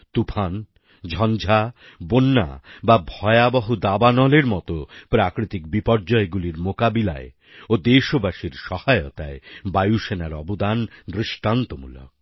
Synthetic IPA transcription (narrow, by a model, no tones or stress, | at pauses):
t̪upʰan | d͡ʑʱɔnd͡ʑʱa | bonːa̰babʱɔeabaɦud̪abanɔleɾmɔt̪opɾakɾit̪ikbipɔɾd͡ʑɔeɡuliɾmokabila̰e | od̪eʃobaʃiɾʃɔhaeot̪aebajuʃenaɾɔ̰bod̪and̪ɾiʃʈant̪omṵlo̰k